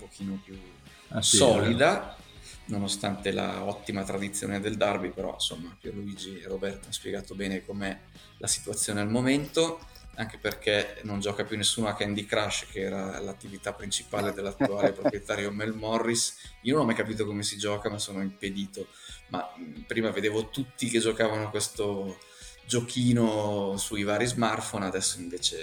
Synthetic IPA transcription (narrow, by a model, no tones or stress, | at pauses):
umpok̟ʰiːnopju | sɔːlid̪a | nonost̪ant̪ela̰ɔt̪ːimat̪ɾad̪it̪sːjo̰ːned̪eld̪arbipeɾɔ̰nso̰mːapjerluiːd͡ʒieɾobɛrt̪oanspjeɡaːt̪obɛːnekomeɛ | lʔasi̥t̪wat̪sːjoːnealmoment̪oaŋkeperkenond͡ʒɔːkapjunːesːuːnoakɛnd̪ikɾaʃkeɛːɾalat̪ːivit̪apːɾint͡ʃipaːled̪elːat̪ːuaːlepɾopɾjet̪aːɾjomelmɔrːisiononamajkapiːt̪̬okomesid͡ʒɔːkamasːoːnoimped̪iːt̪o | mapɾiːmaved̪eːvot̪ut̪ːiked͡ʒokaːvanokwest̪o | d͡ʒokʰiːnosujvaːɾizmart̪fonad̪ɛsːoiɱveːt͡ʃe